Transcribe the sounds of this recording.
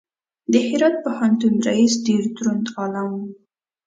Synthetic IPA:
d̪əhɪɾɑt̪̚pahɑnt̪unɾaisɖeɾd̪ɾund̪ɑlɑn

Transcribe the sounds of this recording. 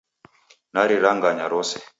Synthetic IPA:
naɾiɾaŋɡaɲaɾɔsɛ

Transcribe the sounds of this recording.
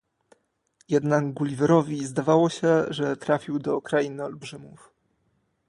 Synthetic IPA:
jɛd̪naɡɡulʲivɛɾɔvʲizd̪avawɔɕɛʐɛt̪ɾafʲiwd̪ɔkɾainɘɔlbʐɘmuf

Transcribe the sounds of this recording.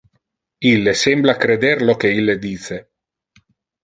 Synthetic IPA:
ilːesemblakɾed̪erlokeilːed̪iːse

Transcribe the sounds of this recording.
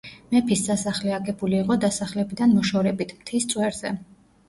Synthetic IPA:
mɛpʰisd̪asaχlɛaɡɛbuliːqʼɔd̪asaχlɛbid̪anmɔʃɔɾɛbit̪ʰmt̪ʰist̪sʼwɛɾzɛ̰

